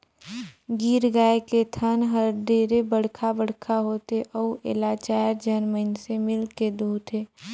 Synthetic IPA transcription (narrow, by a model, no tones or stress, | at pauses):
ɡiːɾɡaːeket̪ʰənɦəɾɖeːɾebəɽ̤kʰabəɽ̤kʰaɦoːt̪eʔɔuʔɪ̰laːt͡ʃaːəɾd͡ʒənməɪnsemɪlked̪uːt̪ʰeː